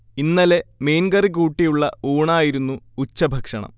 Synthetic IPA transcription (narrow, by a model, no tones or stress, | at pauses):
inːɐle̞meːnɡɐrik̬uːʈːijuɭːɐuːɳaːjiɾunːuːt͡ɕːɐbʱɐkʂɐɳɐ̰m